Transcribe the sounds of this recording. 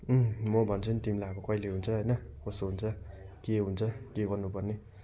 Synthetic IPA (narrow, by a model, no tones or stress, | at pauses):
mʌbʱʌnt͡sʰunt̪imilaʌkokʌileɦunt͡sʰʌɦʌjnʌkʌst̪oɦunt͡sʰʌ | keɦunt͡sʰʌkeɡʌrnupʌrne